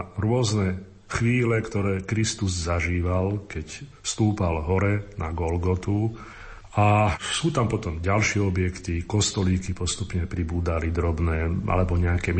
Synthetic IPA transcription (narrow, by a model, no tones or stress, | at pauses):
ɾʊɔznɛ | xʋiːlɛkt̪ɔɾɛːkɾist̪uzzaʒiːʋalkɛcfst̪uːpalɦɔɾɛna̰ɡɔlɡɔt̪u | asuːt̪ampɔt̪ɔmɟalʃɪɛɔbɪjɛkt̪ikɔst̪ɔliːkipɔst̪upɲɛpɾibuːd̪alid̪ɾɔbnɛːʔa̰lɛbɔɲɛakɛ